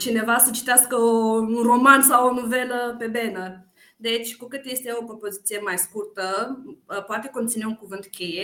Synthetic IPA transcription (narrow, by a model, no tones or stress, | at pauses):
t͡ʃine̞vasət͡ʃi̥t̪easkəounro̞mansawonove̞ləpe̞be̞nə | d̪e̞t͡ʃʲkukɨt̪je̞st̪e̞o̞pɾopo̞zit̪sije̞majskurt̪ə | poat̪e̞ko̞nt̪sine̞uŋkuvɨnt̪kʲʰe̞je